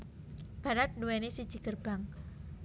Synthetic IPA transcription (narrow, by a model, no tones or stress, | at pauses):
b̥a̤ɾat̪̚duwɛnesid̥d͡ʒi̤kərb̥aŋ